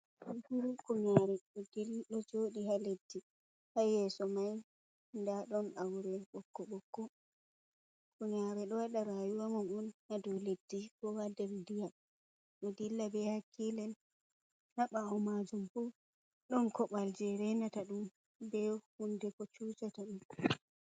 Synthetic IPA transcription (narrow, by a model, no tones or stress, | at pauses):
huɾukuɲaɾɛɗɔdilɗɔd͡ʒoɗihaledːi | hajɛsɔmaj | ndaɗɔnawɾɛɓɔkːɔɓɔkːɔ | kuɲaɾɛɗɔwaɗaɾajuwamɔnɔnhadɔledːikɔwadɛɾdija | ɗɔdilːabɛhakʰːilɛn | haɓaɔmad͡ʒumfɔ | ɗɔnkɔɓald͡ʒɛɾɛnataɗum | bɛhundɛkɔt͡ʃut͡ʃataɗum